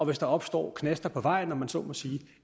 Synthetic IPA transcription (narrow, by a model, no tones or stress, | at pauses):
ɒ̽ʋe̝sd̥ɑ̈ɒ̽b̥sd̥ɒ̰ːkʰnesd̥ɐpʰɒ̽ʋɑ̈ɪ̰nːɒmænsɒ̰̽ːmɒsiː